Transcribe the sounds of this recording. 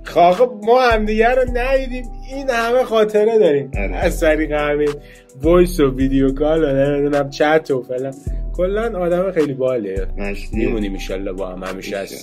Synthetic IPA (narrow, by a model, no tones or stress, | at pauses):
xɒɣemɒːhæmd̪iɟæɾonæjid̪iːminhæmexɒːt̪ʰe̞ɾed̪ɒːɾiːmæzt̪ʰæɾiːɣehæme | vojsovid̪ejokʰɒːlonemid̪unæmt͡ʃʰæt̪ʰofe̞lænkʰolːænɒːd̪æmexejlibɒːlemimuniːminʃɒ̰lːɒ̰hbɒːhæ̰mhæ̰miʃæs